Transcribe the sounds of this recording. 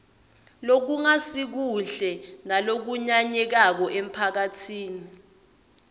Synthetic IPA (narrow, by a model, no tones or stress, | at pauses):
lok̬uŋasik̬uɮɛnalok̬uɲaɲɛk̬ak̬ɔʔem̩pʰak̬atʰiːni